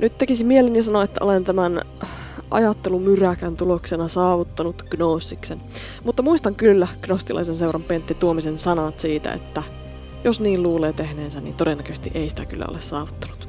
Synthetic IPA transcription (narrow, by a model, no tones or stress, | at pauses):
nyt̪t̪ekisimielinjɑsɑnoet̪ːæ̰ʔolent̪æmæn | ʔɑ̰jɑt̪ːelumyrækænt̪uloksenɑsɑːʋut̪ːɑnut̪ɡ̥noːsːiksen | mut̪ːɑmuist̪ɑŋkylːæɡ̥nost̪ilʔɑ̰isensewrɑmpent̪ːit̪uomisensɑnɑt̪siːt̪æ̰ḛt̪ːæ | josniːlluːleːt̪ehneːnsænḭːnt̪odenːækøst̪iʔeisi̥t̪ækylːæ̰o̰lessɑːʋut̪ːɑnu̥t̪